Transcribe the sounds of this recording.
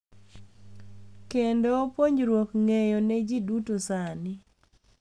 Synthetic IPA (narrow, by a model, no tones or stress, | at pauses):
kendopoɲɾwokŋejɔnɛd͡ʒidutosanɪ